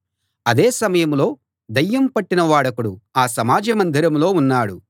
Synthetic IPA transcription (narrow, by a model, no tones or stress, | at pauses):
ɐd̪eːsɐmɐjɐmlo̞ː | d̪ɐjːɐmpɐʈːinɐʋaːɽɐkuɽuaːsɐmaːd͡ʒɐmɐnd̪ʱiɾɐmlo̞ːunːaːɽu